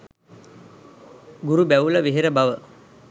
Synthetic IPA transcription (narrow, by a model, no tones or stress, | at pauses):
ɡuɾubæʋuləʋeɦeɾəbaʋə